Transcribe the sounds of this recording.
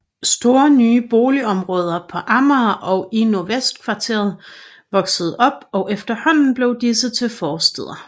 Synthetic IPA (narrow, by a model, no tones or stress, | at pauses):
sd̥o̝ːɐnyːb̥o̝ːliɒ̽mʁɔ̽ːð̞ˠɐpʰɒ̽ʔɑ̈mɐːʔɒ̽ʊinoɐʋesd̥kʰʋɑ̈t͡sʰe̝̰ɐð̩ˠ | ʋɒ̽ɡ̥səð̞̩ˠɒ̽b̥ɒ̽ʊʔefd̥ɐhɒ̽n̰n̩b̥le̝ʊd̥isət͡sʰe̝lfɒːsd̥eð̰ˠɐ